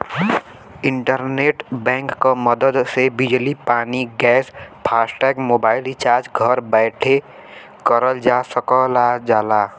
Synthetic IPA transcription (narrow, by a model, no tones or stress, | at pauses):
ɪ̃ɳʈəɾneːʈbɛ̃ːŋkːaməd̪əd̪sebɪd͡ʒlipaːniɡɛːspʰaːsʈɛːkmoːbaːɪlɪt͡ʃaːɾd͡ʒɡʱəɾbɛːʈʰe | kəɾəld͡ʒaːsəkəlad͡ʒaːlaː